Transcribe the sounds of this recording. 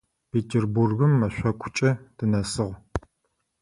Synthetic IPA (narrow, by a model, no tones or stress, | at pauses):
peːtʰɪrburɣɨmːɐɕʷɐkʷʰʊ̥t͡ʃʼɐd̥ɨnɐsɨʁ